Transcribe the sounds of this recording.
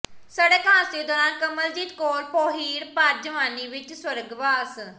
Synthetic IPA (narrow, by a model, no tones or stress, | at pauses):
səɽeːkʰãːsd̪eːd̪ɔːɾãːnkəməld͡ʒiːt̪koːɾpoːɦiːɽpaɾd͡ʒəʋaːniːʋɪt͡ʃswəɾəɡʋaːs